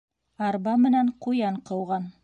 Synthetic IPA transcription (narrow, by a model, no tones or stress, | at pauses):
ɑɾbɑmɘ̆næɴqujɑɴqɤ̆wʁɑn